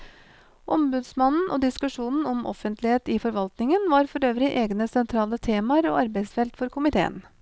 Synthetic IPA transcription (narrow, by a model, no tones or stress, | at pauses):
ʔɔmbʉd̪smɑnn̩ʔo̰ːd̪ɪskʉʂuːnn̩ɔmʔɔ̰fənt̪lɪheːt̪ɪfɔɾʋɑlt̪nɪŋənʋɑːɾfɔɾøːʋɾɪʔeːɡnəsɛnt̪ʰɾɑːlət̪ʰeːmɑəɾo̰ːɑɾbeɪsfɛlt̪fɔɾkʊmɪt̪ʰḛːə̰n